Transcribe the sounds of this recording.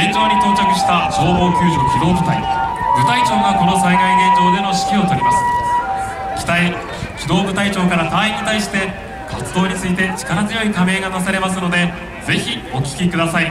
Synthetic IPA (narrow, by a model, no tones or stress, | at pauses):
ait͡ɕo̞ːɲ̟it̪o̞ːt͡ɕokɯ̟ɕi̥t̪aʑo̞ːbo̞ːkʲɨːʑokʲid̪o̞ːt̪ot̪aḭbɯ̟t̪ait͡ɕo̞ːɡako̞no̞saiɡaiɡẽ̞ɲt͡ɕo̞ːd̪e̞no̞ɕi̥kʲio̞t̪o̞ɾʲimasɨ̥ | kʲi̥t̪ai | kʲid̪o̞ːbɯ̟t̪ait͡ɕo̞ːkaɾat̪ãːĩɲːit̪aiɕi̥t̪e̞ | kʰat͡sɨd̪o̞ːɲ̟it͡sɨit̪e̞t͡ɕi̥kaɾazɨjo̞ikame̞ːɡanas̬aɾe̞mas̬ɨno̞d̪e̞ | ze̞çi | o̞kʲi̥kʲikɯd̪asai